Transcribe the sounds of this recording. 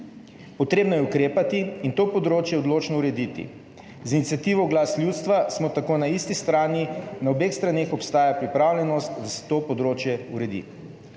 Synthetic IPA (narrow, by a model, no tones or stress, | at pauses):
pɔt̪ɾeːbnɔjɛukɾeːpat̪iint̪oːpɔd̪ɾoːt͡ʃjɛɔd̪loːt͡ʃnɔuɾɛd̪it̪ḭ | zinit̪sʲjat̪iːʋɔɡlaːslʲjuːt̪st̪ʋasmɔt̪akoːnaist̪ist̪ɾaːninaobeːxst̪ɾaneːxɔpst̪aːjapɾipɾaːwlʲjɛnɔst̪d̪asɛ̥t̪oːpɔd̪ɾoːt͡ʃjɛuɾɛd̪ḭ